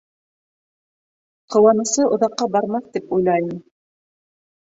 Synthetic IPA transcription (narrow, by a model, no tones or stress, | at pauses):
qɤ̆wɑnɤ̆sɤʔŏðɑqːɑbɑɾmɑθt̪ipujlˠɑjnɤ